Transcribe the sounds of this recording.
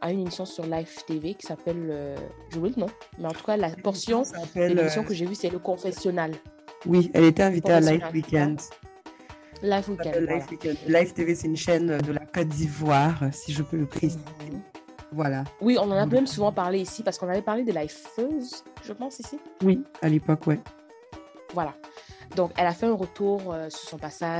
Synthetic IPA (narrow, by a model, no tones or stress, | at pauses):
aynemisjɔ̃syʁlaɛft̪evekʲi̥sapɛløʒowilnɔ̃mɛɑ̃t̪u̥kalapɔʁsjɔ̃pɛlelmisjɔ̃kəʒevysɛləkɔ̃fɛsjɔnalwiɛ̰let̪ɛɛ̃vit̪ealawikʲɛ̃nd̪ | lajfwikɛ̃nɛlːaj̪fwikʲɛnd̪laft̪evesɛynʃɛnød̪əlakɔt̪̚d̪ivwaʁsiʒəpøləpχesizi | vwalawiɔ̃nɑ̃namɛmsuvɑ̃paʁleisipaʁsəkɔ̃navɛpaʁled̪əlajføzʒəpɑ̃sisiwialepɔkwɛ | vwalad̪ɔ̃kɛlafɛɛ̃ʁət̪uʁøsyʁsɔ̃pasa